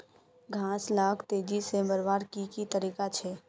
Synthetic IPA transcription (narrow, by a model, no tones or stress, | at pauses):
ɡʱãːslaːkʰt̪eːd͡ʒiseməɾʋaːɾkikit̪əɾiːkat͡ʃʰɛː